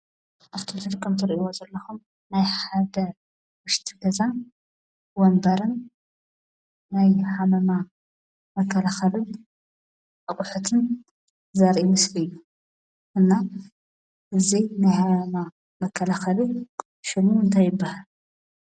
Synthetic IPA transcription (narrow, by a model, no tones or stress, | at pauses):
ʔaft̪ʰot̪ʰɨd̪kʼːɨmt̪ʰɨɾʔiwozɐlːɐxum | najħad̪ɐ | wʊʃt̪ʰiɡɐza | wɔmbɐɾɨn | najħamɐma | mɐkʰːɐlaxɐlɨn | ʔɐkʼʊħut̪ʰɨn | zɐɾʔimɨslɨjːu | ʔɨnːa | ʔɨzinajħamɐma | mɐkʰːɐlaxɐli | ʃɪmuɨnt̪ʰajːɪbːahal